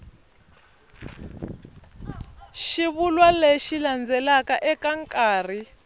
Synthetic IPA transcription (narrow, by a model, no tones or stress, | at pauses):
ʃiβulwaleʃiland͡zɛlakaʔɛkaŋkʼaːri